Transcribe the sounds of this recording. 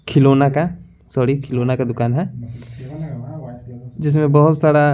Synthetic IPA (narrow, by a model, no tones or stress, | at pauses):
kʰɪloːnaka | sɔːɾikʰɪloːnakad̪ʊkaːnɦɛ | d͡ʒɪs̬mẽbɔɦʊt̪saːɽa